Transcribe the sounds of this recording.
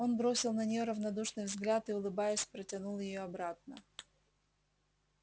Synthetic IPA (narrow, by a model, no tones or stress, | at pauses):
o̞nbɾo̞sʲɪlˠnənʲɪjo̞ɾəvnɐd̪uʂnɨjvzɡlʲat̪ɨʊlˠɨbajɪsʲpɾətʲɪnulˠjɪjo̞ɐbɾat̪̚nə